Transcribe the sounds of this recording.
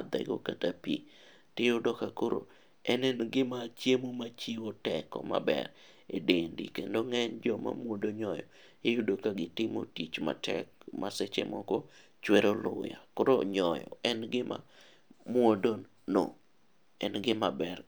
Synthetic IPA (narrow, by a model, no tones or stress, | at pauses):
d̪ɛ̰ɡokatapi | tɪodɔkakoɾo̰ | ɛnɛnɡɪmat͡ʃjemomat͡ʃiwotɛkɔ̰ma̰bɛ̰ɾ | edendḭkendoŋɛnd͡ʒɔma̰mwodoɲɔjɔ | ejudokaɡɪtɪmo̰tit͡ʃma̰tʰɛ̰kmʔaset͡ʃḛmɔko | t͡ʃweɾolʊjakoɾoɲɔjɔ̰ɛnɡɪma̰ | mwodon | no | ɛnɡɪmabɛr